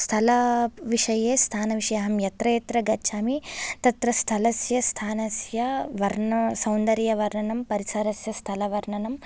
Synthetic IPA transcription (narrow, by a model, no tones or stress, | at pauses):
st̪ʰɐlɐʋiʂɐjeːst̪ʰaːnɐʋiʂɐjɐɦɐmjɐt̪ɾɐjet̪ɾɐɡɐːt͡ʃʰaːmit̪ɐt̪ɾɐst̪ʰɐlɐsjɐst̪ʰaːnɐsjɐʋɐɾɳɐsɐwnd̪ɐɾjɐʋɐɾɳɐnɐmpɐɾisɐɾɐsjɐst̪ʰɐlɐʋɐɾɳɐnɐm